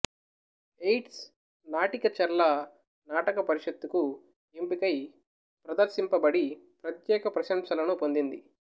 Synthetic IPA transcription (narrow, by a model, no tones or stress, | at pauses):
ejʈs | naːʈikɐt͡ʃɐɾlɐ | naːʈɐkɐpɐɾiʂɐt̪ːuku | impikɐj | pɾɐd̪ɐɾʃimpɐbɐɽipɾɐt̪jɛːkɐpɾɐʃɐmʃɐlɐnupo̞nd̪ind̪i